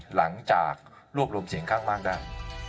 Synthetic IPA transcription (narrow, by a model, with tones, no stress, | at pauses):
la˩˦ŋt͡ɕa̰ː˨˩k̚ | ɾu˥˩əp̚ɾu˧msi˨˦əŋkʰaː˥˩ŋmaː˥˩k̚daː˥˩j